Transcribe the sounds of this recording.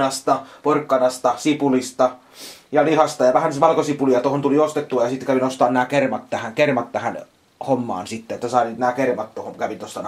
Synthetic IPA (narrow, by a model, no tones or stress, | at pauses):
ɑst̪ɑporkːɑnɑst̪ɑsipulist̪ɑ | jɑlihɑst̪ɑjɑʋæhænʋɑlkosipulijɑt̪ohont̪uliost̪et̪ːuɑjɑsit̪ːkæʋinost̪ɑːnnæːkermɑt̪t̪æhæŋkermɑt̪t̪æhæn | homːɑ̰ːnsit̪ːeet̪ːæsɑˑiniːt̪næːkermɑt̪t̪ohoŋkæʋint̪ost̪ɑn